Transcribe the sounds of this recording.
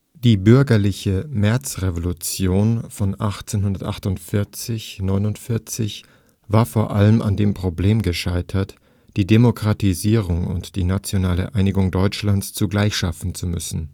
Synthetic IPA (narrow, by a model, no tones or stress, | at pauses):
d̥iːbʏɐɡɐlɪçəmɛɐt͡sʁevolut͡sjoːnfɔnʔaχt͡senɦʊndɐtʔa̰χtʊntfɪɐt͡sɪçnɔʏnʊntfɪɐt͡sɪç | vaːɐfoːɐʔaləmʔa̰ndeːmpʁ̥obleːmɡəʃaɪtʰɐt | d̥iːdemokʁ̥atiziːʁʊŋʊ̰ntd̥iːnat͡sjonaːlə̰ʔaɪnɪɡʊŋdɔʏt͡ʃlant͡st͡suɡlaɪçʃafn̩t͡sumʏ̰sn̩